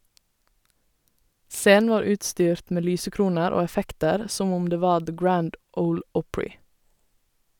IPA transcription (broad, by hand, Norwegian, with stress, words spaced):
ˈseːn̩ ˈʋɑːɾ ˈʉːtˌstyːɾt ˈmeː ˈlyːsəˌkɾuːnəɾ ˈoː ɛˈfɛktəɾ ˈsɔm ˈʊm ˈdeː ˈʋɑː ðə ˈɡɹænd ˈəʊl ˈɔpɹɪ